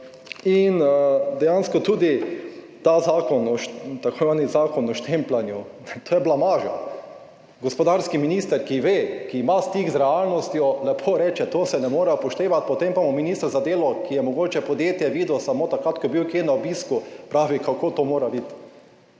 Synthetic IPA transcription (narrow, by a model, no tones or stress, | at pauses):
ind̪ɛjanskɔt̪uːd̪i | t̪aːzaːkɔnɔʃt̪akoʋanizaːkɔnɔʃt̪emplanju | t̪oːjɛblamaːʒa̰ | ɡɔspɔd̪aːɾskiminiːst̪əɾkiʋeːkiːmast̪iɡzɾɛaːlnɔst̪jɔlɛpʰoːɾɛːt͡ʃɛt̪oːsɛnɛmoːɾɛpɔʃt̪eːʋat̪̚pɔt̪empamominiːst̪əɾzad̪eːlɔkijɛmɔɡoːt͡ʃɛpɔd̪jeːt̪jɛʋiːd̪owsamoːt̪akɾat̪kɔbiwkjeːnaobiːskupɾaːʋikakoːt̪oːmoːɾabit̪